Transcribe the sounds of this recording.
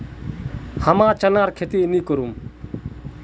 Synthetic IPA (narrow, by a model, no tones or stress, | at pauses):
həmãːt͡ʃənaːɾkʰet̪iːnĩːkəɾum